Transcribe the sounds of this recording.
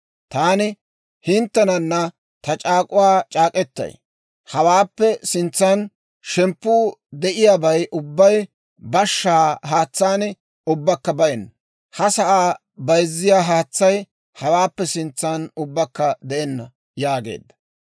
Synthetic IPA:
t̪aːnɪ | hɪnt̪ːɛnɐnːɐ | t̪ɐt͡ʃʼaːkʼʊwaːt͡ʃʼaːkʼɛt̪ːɐ̰j | hɐwaːpːɛsɪnt͡sːɐn | ʃɛmpːuːd̪ɛʔɪjaːbɐjʔʊbːɐj | bɐʃːaːɦaːt͡sːaːnɪ | ʊbːɐkːɐbɐʔɛnːɐ | hɐsɐʔaː | bɐjzːɪjaːɦaːt͡sːɐj | hɐwaːpːɛsɪnt͡sːaːnʊbːɐkːɐd̪ɛʔɛnːɐ | jaːɡe̞̰ːd̪ːɐ̥

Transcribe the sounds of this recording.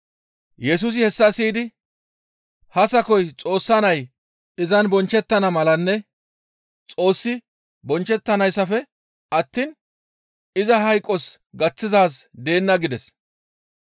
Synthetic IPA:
jɛs̬ʊs̬ɪhɛsːɐsiːd̪ɪ | hɐsɐkɔjt͡sʼo̞ːsːɐnɐj | ɪzɐnbɔnt͡ʃːɛt̪ːɐnɐmɐlɐnːɛ | t͡sʼo̞ːsːɪ | bɔnt͡ʃːɛt̪ːɐnɐjsːɐfɛ | ʔɐt̪ːiːn | ɪzɐɦɐjkʼːɔs | ɡɐt͡sːɪzaːs̬d̪e̞ːnːɐɡɪd̪ɛs

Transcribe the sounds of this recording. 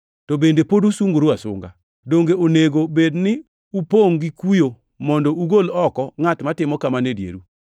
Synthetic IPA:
tɔbendepodusuŋɡoɾuasʊ̰ŋɡa̰ | doŋɡeoneɡobednɪ | upoŋɡikujo | mɔndɔuɡolɔkɔŋatmatɪmɔkamanedjḛɾu

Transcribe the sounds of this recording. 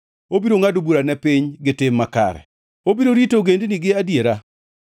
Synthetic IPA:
obiɾoŋadobuɾanɛpiɲɡɪtɪmːaka̰ɾɛ̰ | obiɾoɾitoɡendnɪɡɪadjeɾa

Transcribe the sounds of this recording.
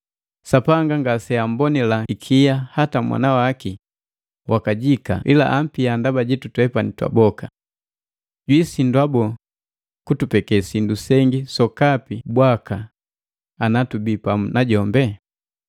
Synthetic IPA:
sapaŋɡaŋɡasɛam̩bɔnilaikʰijahatamwa̰nawaki | wʔakaɟika̰ʔila̰ʔam̩piandabaɟitutwɛpanitwa̰bɔka | ɟwisindwabɔ | kutupɛkɛsindusɛŋɡisɔkapibwakaː | natubipamunaɟɔmbɛ

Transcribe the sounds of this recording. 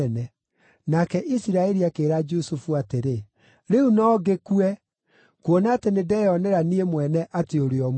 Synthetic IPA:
nɛ | nakɛʔisiɾaɛɾiakeːɾad͡ʒosufuateɾe | ɾeunɔɡekuɛ | kwɔnaːtenedɛjɔnɛɾaniemwɛnɛʔateoɾeɔm

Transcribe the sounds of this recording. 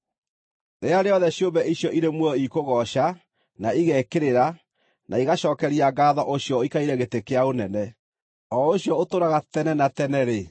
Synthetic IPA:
neaɾeɔðɛɕjombɛʔiɕjɔʔiɾemwɔɔikoɣɔʃa | naiɣɛkeɾeɾa | naiɣaʃɔːkɛɾiaɡaːðɔʔoɕjɔikaiɾɛɣetekeaonɛnɛ | ɔoɕjɔotoɾaɣatɛnɛnatɛnɛɾe

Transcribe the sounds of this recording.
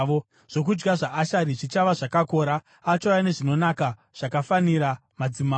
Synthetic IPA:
o | ʐ̥o̞k̬ud͡ʒɡaʐaʔːʃaɾiʐit͡ʃaʋaʐakako̞ːɾa | at͡ʃajane̞ʐino̞naka | ʐ̥akafaniɾamad͡zima

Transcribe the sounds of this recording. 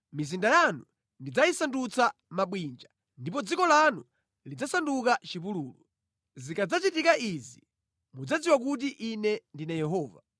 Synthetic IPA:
mizindajanu | ndid͡zaisandut͡samaɓwind͡ʒa | ndip̬ɔd͡zikɔlanu | lid͡zasandukat͡ʃipuluːlu | zikad͡zat͡ʃitikaʔizi | mud͡zad͡ziwak̬ut̬iʔinɛndinajɛɦɔːva

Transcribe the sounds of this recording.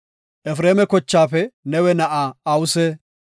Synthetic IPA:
ʔɛfɾeːmɛkɔt͡ʃːaːfɛnɛwɛnɐʔaːwʊsɛ

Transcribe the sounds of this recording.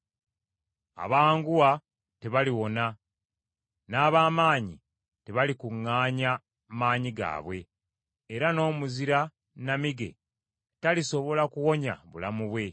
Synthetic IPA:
a̰βaːŋɡuwa | te̞βaliwo̞na | naːβaːmaːɲḭ | te̞βalikuŋːaːɲa | maːɲiɡa̰ːβwe̞ː | ɾano̞ːmuziɾa | namiɡe̞̰ | taliso̞βo̞lakuwo̞ɲa̰βṵlamuβwe̞

